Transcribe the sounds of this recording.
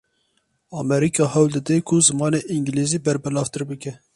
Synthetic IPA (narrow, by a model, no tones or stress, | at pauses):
ɑːmɛɾiːkʰɑːhɛwld̪ɨd̪ekʰʊzɨmɑːneːʔiŋɡliziːbɛɾbɨlɑːvt̪ɨɾbɨkɛ